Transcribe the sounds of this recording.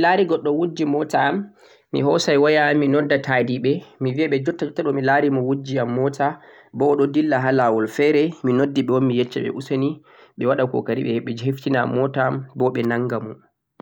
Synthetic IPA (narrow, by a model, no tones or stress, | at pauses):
milaɾiɡɔɗːɔwud͡ʒimɔtaːmː | ḭɦɔsajwajaːmːinɔdːatʰadiɓɛmiviaɓɛd͡ʒɔtːatːaɗɔmilaɾimɔwud͡ʒiamːɔtʰa | bɔɗɔdilːaɦalawɔlfɛɾɛminodːiɓɛwɔnmijɛt͡ʃːaɓɛ̰ʔusani | ɓɛwaɗakɔ̰kaɾiɓɛhɛɓːɛd͡ʒheftinamɔtambɔɓɛnaŋɡamun